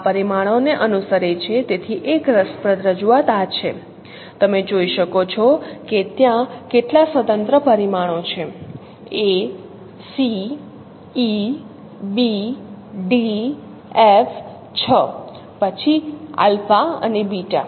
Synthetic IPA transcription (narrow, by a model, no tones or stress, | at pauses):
apəɾimaɽ̃oneʔənusəɾet͡ʃʰet̪et̪ʰiʔekɾəspɾət̪ɾəd͡ʒuat̪at͡ʃʰe | t̪əmed͡ʒoiʃəkot͡ʃʰɔket̪jãkeʈlasʋət̪ənt̪ɾəpəɾimaɽ̃ot͡ʃʰe | e | siː | bi | ɖi | ef | t͡ʃʰə | pət͡ʃʰia̰lfaə̰nebiʈa̰